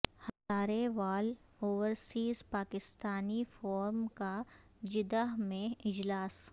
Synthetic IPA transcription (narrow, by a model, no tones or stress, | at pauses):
hɐt̪aːɾeʋaːl | oːʋəɾsiːzpaːkɪst̪aːnifɔːɾmkad͡ʒɪd̪əɦmẽɪd͡ʒlaːs